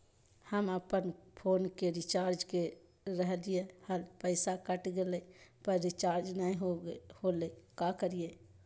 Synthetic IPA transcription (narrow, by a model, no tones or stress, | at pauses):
həməpənpʰoːnkeɾɪt͡ʃaːɾd͡ʒke | ɾəɦlijehəlpəɪsakəʈɡelepəɾːɪt͡ʃaːɾd͡ʒnəĩɦholekakəɾije